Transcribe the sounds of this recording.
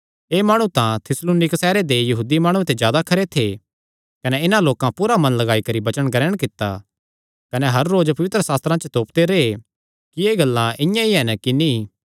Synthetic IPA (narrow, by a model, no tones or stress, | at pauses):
eːmaːɽ̃ũt̪ãt̪ʰɪsluːnɪksɛːɾed̪ejɐɦuːd̪imaːɽ̃ũet̪ezjaːd̪akʰɐɾet̪ʰe | kɐneɪnãloːkãpuːɾamɐ̃nlɐɡaːikɐɾibɐt͡ʃəɽ̃kɐɾɛːɽ̃kɪt̪ːa̰ | kɐneɦɐɾːoːd͡ʒpɐʋɪt̪ɾəsaːst̪ɾãt͡ʃət̪oːpt̪eɾeːe | kieːɡɐlːãʔɪ̃jãiɦɛnkini